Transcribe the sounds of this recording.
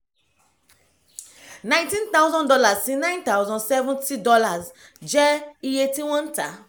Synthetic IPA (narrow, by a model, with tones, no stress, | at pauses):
nã˦j̃ntĩ˦nt̪a˦wzɔ̃ndɔ˦la˨zsĩ˦nã˦j̃nt̪a˦wzɔ̃nsɛ˦vũnti˦dɔ˦la˨z | d͡ʒɛ˦i˨etĩ˦wɔ̃˦nta̰˨